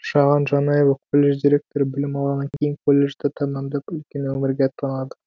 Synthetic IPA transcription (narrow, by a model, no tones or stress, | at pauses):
ʃɑʁɑnʒɑnɑjevɑkʰolʲːe̞ʒd̪ʲiɾʲe̞k̚t̪o̞ɾəbɪlɪmɑlˠʁɑnɑŋkʲʰe̞jɪŋkʰolʲːe̞ʒd̪et̪ʰɑmɑmd̪ɑpʏlkʲe̞nwɵmɪɾɡʲeɑt̪ːɑnɑd̪ə